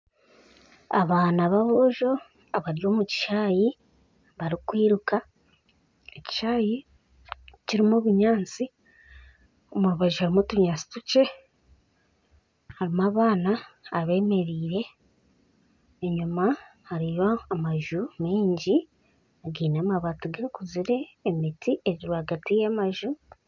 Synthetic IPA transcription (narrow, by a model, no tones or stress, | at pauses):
aβaːnaβaβoʒo̞ | aβaɾjo̞ːmuci̥ʃaːji | βaɾikwiːɾuka | eci̥ʃaːji | ciɾimuβiɲaːnt͡si | omuɾuβaʒuhaɾimotuɲaːt͡si̥tuce̞ | haɾimaːβaːnaːβe̞ːme̞ɾiːɾe̞ | eɲumahaɾijoamaʒumiːɲɟi | aɡiːnamaβatuɡakuziɾe̞ːmitiʔeɾiɾuaɡatijamaʒu